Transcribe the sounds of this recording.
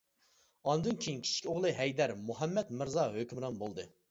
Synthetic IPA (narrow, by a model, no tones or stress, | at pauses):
ɑnd̪ɨnkʲʰejiŋkʲʰi̥t͡ʃʰi̥kʲoʁlˠɨɦɛjd̪æɾmuɦɛmːɛt̪mɪɾzɑɦøkʲymɾɑnbolˠd̪ɨ